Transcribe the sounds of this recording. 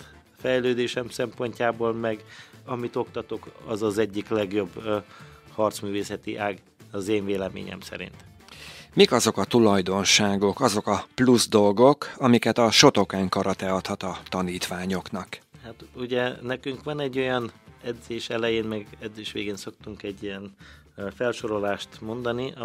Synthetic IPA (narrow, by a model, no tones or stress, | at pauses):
fɛjløːd̪eːʃɛmsɛmpo̞ɲcaːboːlmɛɡɒmit̪o̞kt̪ɒt̪o̞kɒzɒzɛɟːiklɛɡjo̞b | hɒrt̪smyːveːsɛt̪ḭʔaːɡ | ɒzeːɱveːlɛmḛːɲɛ̰msɛ̰ɾḭnt̪ | mikɒzo̞kɒt̪ulɒjd̪o̞nʃaːɡo̞kɒzo̞kɒpluzd̪o̞lɡo̞kɒmikɛt̪ɒʃo̞t̪o̞kaːŋkɒɾɒt̪ɛɒt̪hɒt̪ɒt̪ɒniːt̪ʋaːɲo̞knɒkhat̪uɟɛnɛkyŋkʋɒnɛɟːo̞jɒnɛd̪zeːʃɛlɛjeːnmɛɡɛd̪zeːʃʋeːɡeːnso̞kt̪uŋkɛɟːijɛn | fɛlʃo̞ɾo̞laːʃt̪mo̞nd̪ɒni